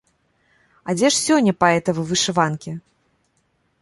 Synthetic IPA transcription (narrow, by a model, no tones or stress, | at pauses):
ad͡zʲɛʂsʲɔnʲːɐpaɛt̪ɐvɨvɨʂɨvankʲi